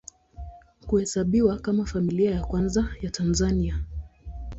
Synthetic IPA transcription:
kuhɛsaɓiwakamafamiliajakwanzajatʰanzania

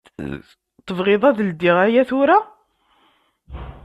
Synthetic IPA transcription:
t̪ːəvʁɪðˤɑðld̪iʁæjæθʊɾa

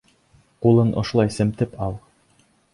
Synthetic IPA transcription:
qulˠɤnʔŏʃlˠɑjsɘ̆mt̪ɘpɑlˠ

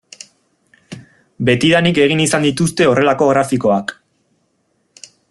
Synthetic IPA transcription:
be̞t̪iðanike̞ɣ̞inisand̪it̪ust̪e̞o̞re̞lako̞ɣ̞ɾafiko̞ak

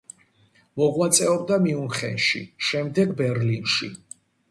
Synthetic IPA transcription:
mɔʁwat̪sʼɛɔb̚d̪amiunχɛ̰nʃḭʃɛmd̪ɛɡbɛɾlinʃḭ

